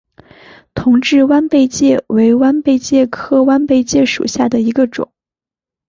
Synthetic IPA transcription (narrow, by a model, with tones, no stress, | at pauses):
t̪ʰʊ˧˥ŋʈ͡ʂɻ̩˥˧wa˥npe˥˧ɪt͡ɕjɛ˥˩we˧˥ɪwa˥npe˥˧ɪt͡ɕjɛ˥˩kʰɤ˥wa˥npe˥˧ɪt͡ɕjɛ˥˩ʂṵ˨˩ɕja˥˩d̪ə˩i˧˥ɡə˧ʈ͡ʂʊ̰˨˩˦ŋ